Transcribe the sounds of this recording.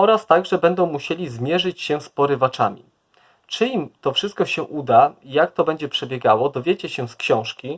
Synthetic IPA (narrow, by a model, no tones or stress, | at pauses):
ɔɾast̪aɡʐɛbɛnd̪ɔ̃w̃muɕelʲizmʲjɛʐɘt͡ɕɕɛspɔɾɘvat͡ʂamʲḭ | t͡ʂɘimt̪ɔfʂɘst̪kɔɕɛʔud̪ajakt̪ɔbɛɲd͡ʑɛpʂɛbʲjɛɡawɔd̪ɔvʲjet͡ɕɛɕɛskɕɔ̃w̃ʂkʲi